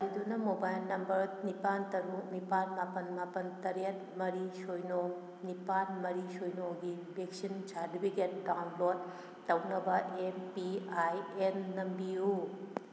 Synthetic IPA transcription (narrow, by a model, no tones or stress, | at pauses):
ɾidunɐmobajlnɐmbɐɾnipantɐɾuk̚nipanmapɐnmapɐntɐɾet̚ | mɐɾisojno | nipanmɐɾisojnoɡi | bʱeksint͡ʃʰaɾdibʰiɡet̚dawnlod̚ː | ɐwnɐbɐʔempiajenːɐmbiju